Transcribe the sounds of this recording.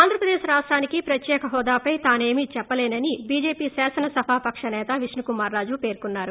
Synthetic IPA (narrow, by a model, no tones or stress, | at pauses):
aːnd̪ɾɐpɾɐd̪eːʃɾaːʂʈɾaːnikipɾɐt̪jɛːkɐɦɔːd̪aːpɐjt̪aːne̞ːmit͡ʃɛpːɐleːnɐnibiːd͡ʒeːpiːsɛːsɐnɐsɐbʱaːpɐkʂɐnɛːt̪ɐʋiʂnukumaːɾːaːd͡ʒupe̞ːɾkunːaːɾu